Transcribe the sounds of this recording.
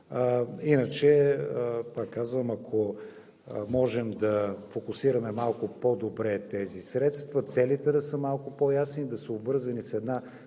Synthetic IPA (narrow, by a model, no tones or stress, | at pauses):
inət͡ʃɛəpakːazvəmɐkʰo | mɔʒɛmd̪ɐfokʊsiɾɐmɛmalˠkʊpod̪obɾɛt̪ɛzisɾɛt̪st̪vɐt̪sɛlit̪ɛd̪ɐsəmalˠkʊpojasnid̪ɐsəobvɤɾzɐnisɛd̪na